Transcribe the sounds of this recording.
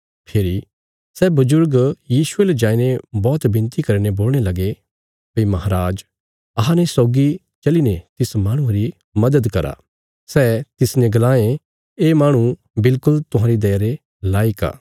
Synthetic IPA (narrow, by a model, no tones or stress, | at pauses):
pʰeːɾi | sɛːbʊzʊɾɡjiːsʊeːled͡ʒãːinebɔːt̪bɪ̃nt̪ikɐɾiñeboːlɽ̃elɐɡe | pimɐɦaɾaːd͡ʒ | ɐɦãnesɔːɡi | t͡ʃɐlinet̪ɪsmãːɽ̃ũaɾi | mɐd̪əd̪kɐɾa̰ | sɛːt̪ɪsnẽɡɐlaːẽ | eːmaːɽ̃ũ | bɪlkʊlt̪ʊɦãːɾid̪ɐːaɾe | laːika̰ː